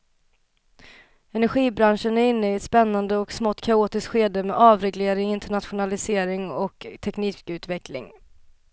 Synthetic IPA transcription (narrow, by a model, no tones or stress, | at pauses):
ɛnæɾɧiːbɾanʂənæɾɪnːəɪɛt̪spɛnːand̪əɔksmɔt̪ːkʰauːt̪ɪskɧeːd̪əmɛ̰ːʔɑːvɾɛɡleːɾɪŋɪnt̪əɳat̪ɧʊnalɪseːɾɪŋɔkt̪ʰɛkniːkʉ̟ːt̪vɛklɪ̰ŋ